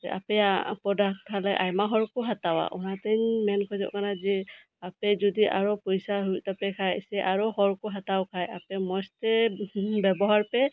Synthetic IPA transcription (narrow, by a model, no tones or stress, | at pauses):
ɛʔa̰pɛapɔdak̚tʰalɛʔajmaɦɔɹkɔɦatawa̰ʔṵnateɲmɛnkʰɔzɔ̰ʔkanazi | apɛzɔdiʔaɹɔpɔjsaɦujtapɛkʰajsɛʔaɹɔhɔɹkɔɦatawkʰajapɛmɔstɛbɛbɔɦaɹpɛ